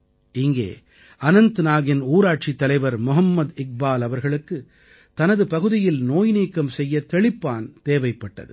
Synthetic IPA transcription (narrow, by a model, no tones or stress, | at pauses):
ɪŋɡḛː | ɐnɐnt̪ɯnaːɣɪnuːɾaːʈ̚t͡ʃit̪ːɐlɐɪʋɐɾmʊɦɐmːɐd̪ɪk̚baːlɐʋɐɾɣɐɭɯkːɯ | t̪ɐnɐðɯpɐɣɯðɪjɪlnoːjniːkːɐmsɛjːɐt̪ɛɭɪpːaːnt̪eːʋɐɪpːɐʈːɐ̰ðɯ̰